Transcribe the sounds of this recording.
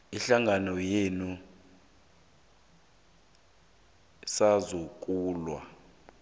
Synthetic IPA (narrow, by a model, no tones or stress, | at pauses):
iɬaŋanɔjenu | sazok̬ʼuːlwa̰